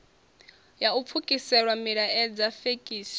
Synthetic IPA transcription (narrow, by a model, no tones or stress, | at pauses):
jaup̪fʰukʼisɛɺwamiɺaʔɛd͡zafekʼiːsi̥